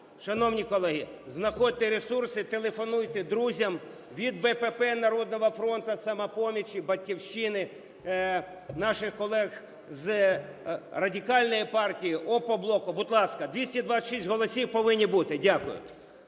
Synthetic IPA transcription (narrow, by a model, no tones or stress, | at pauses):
ʃɐnɔwnʲikɔlˠɛɦiznɐxɔd̚ʲt̪eɾesursɪt̪elˠefɔnujt̪ed̪ɾuzʲɐm | ʋʲid̪̚bɛpepɛnɐɾɔd̪̚nɔɦɐfɾɔnt̪ɐsɐmɛpɔmʲit͡ʃʲibɐtʲkʲiwʃt͡ʃɪnɪ | nɑʃɪxkɔlˠɛɣ | z | rɐdʲikɑlʲnɔjipɑrtʲijiʔɔpɔblˠɔkʊbʊd̪lˠɑskɐd̪ʲʋʲisʲtʲid̪ʋɑʃisʲtʲɦɔlˠɔsʲiwpɔʋɪnʲːibut̪ɪdʲakʊ̰jʊ̰